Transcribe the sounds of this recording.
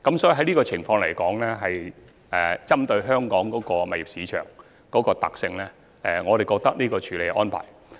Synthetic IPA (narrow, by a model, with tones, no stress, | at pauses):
kɐ˨˥msɔː˨˥ji˨˧ɦɐ˨˥jniː˥kɔː˧t͡sʰɪ˨˩ŋfɔː˧ŋlɐ˨˩jkɔː˨˥ŋlɛː˥ɦɐ˨j | ʔɛ˨t͡sɐ˥mt̪ɵ˧ɥɦœː˥ŋkɔː˨˥ŋkɔː˨˥kɔː˧mɐ˨jɪ˨psiː˨˧t͡ʃʰœ̰ː˨˩ŋ | kɔː˨˥kɔː˧t̪ɐ˨k̚sɪ˧ŋlɛː˥ | ʔɛ˨˩ŋɔː˨˧ɾe˨jkɔː˧k̚t̪ɐ˥k̚niː˥kɔː˧t͡ʃʰyː˨˥le˨˧jkɛ˧ʔɔː˥npʰa̰ː˨˩j